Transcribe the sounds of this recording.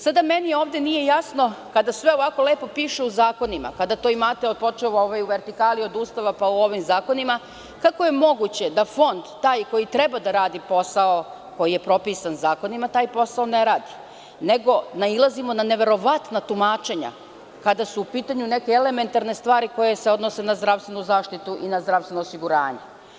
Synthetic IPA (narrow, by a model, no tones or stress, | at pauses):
sad̪amenio̞ːʋd̪e̞nije̞jasno̞kad̪asʋe̞o̞ʋako̞leːpo̞piːʃeuzaːko̞nima̰kad̪at̪o̞imat̪eot̪po̞t͡ʃeʋaoʋajuʋe̞ɾt̪ikaːlio̞d̪uːst̪aʋapauo̞ʋimzaːko̞nima | kako̞je̞mo̞ɡut͡ɕe̞d̪afo̞nd̪t̪ːaːjko̞jit̪ɾɛbad̪aɾaːd̪ipo̞sao | ko̞jije̞pɾo̞piːsanzaːko̞nimat̪aːjpo̞saoneɾaːd̪i | ne̞ɡo̞nailˠazimo̞nane̞ʋe̞ɾo̞ʋat̪nat̪umaːt͡ʃe̞ɲa̰ | kad̪asuːpiːt̪aɲune̞keele̞me̞nt̪aɾne̞st̪ʋaːɾiko̞je̞seo̞d̪nose̞nazd̪ɾaʋst̪ʋe̞nuzaːʃt̪it̪uʔinazd̪ɾaʋst̪enoːsiɡuɾaːɲe̞